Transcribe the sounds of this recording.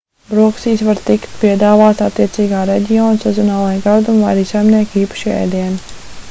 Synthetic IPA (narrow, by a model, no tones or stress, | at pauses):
bɾuɔksiːsʋaɾt̪ikt̪piɛd̪aːvaːt̪at̪ːiɛt̪siːɡaːɾɛɟʲioːnsɛzɔnaːvajɡaɾd̪umvajɾiːsajmniɛkiːpḁʃɛ̰jd̪iɛn